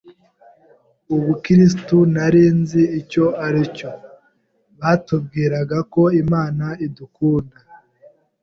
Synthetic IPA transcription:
uβukiɾis̬tunaɾiːnziːco̞aɾico̞ | βaːtub̚ɡiːɾaɡako̞imaːnaidukuːnda

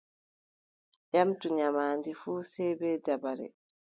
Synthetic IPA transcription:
ʔamtuɲamaːndifuːsɛbɛːdabaɾɛ̰

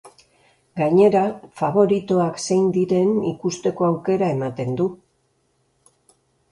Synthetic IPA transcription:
ɡaɲe̞ɾafaβ̞o̞ɾit̪o̞akse̞jnd̪iɾe̞nikust̪e̞ko̞awke̞ɾae̞mat̪e̞nd̪u

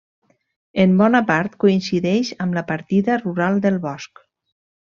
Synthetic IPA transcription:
embɔnapaɾt̪koinsiðɛʃəmləpaɾt̪iðəruɾalˠd̪əlˠβɔsk

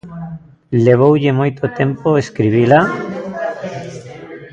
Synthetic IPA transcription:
leβ̞owʎemojt̪ot̪ẽmpoeskɾiβ̞ila

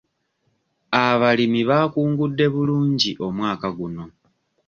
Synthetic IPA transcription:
aβalimiβaːkuːŋɡudːe̞βuluːɲɟiʔo̞mwaːkaɡuno̞

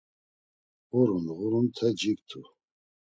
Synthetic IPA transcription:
ʁuɾunʁuɾunt̪ʰɛd͡ʒikt̪ʰu

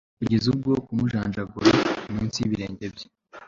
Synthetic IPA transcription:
kuɟe̞zub̚ɡo̞kumuʒaːnʒaɡuɾiumiːnsiβiɾe̞ːɲɟe̞bje̥

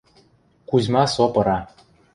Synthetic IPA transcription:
kuzʲmɑsopɤ̆ɾɑ

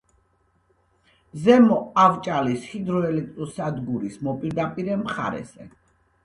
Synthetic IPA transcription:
zɛmɔavt͡ʃʼalishid̪ɾɔɛlɛk̚ʰt̪ʼɔsad̪ɡuɾismɔpʼiɾd̪apʼiɾɛmχa̰ɾɛ̰zɛ̰

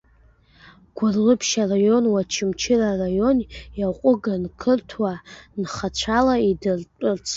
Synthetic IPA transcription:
ɡ̥ʷʊrlɨpʰʃarajo̞nwat͡ʃʰɪmt͡ʃʰɪrarajo̞njaqʷʼʊɡankʰɨrtʰwanχat͡ɕʷʰalaidrʼrt͡sʰ

